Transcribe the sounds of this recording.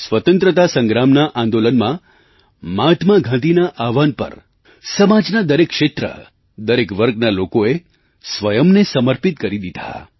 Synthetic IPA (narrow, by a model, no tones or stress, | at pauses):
sʋət̪ə̃nt̪ɾət̪asə̃ŋɡɾamnaʔãnd̪olənmã | mat̪ʰmaɡʱãt̪inaʔaʋanpə̰ɾ | səmad͡ʒnad̪əɾekːʃet̪ɾə̰ | d̪əɾekʋəɾɡnalokoe | sʋəjəmnesəməɾpit̪̚kəɾid̪id̪ʱa̰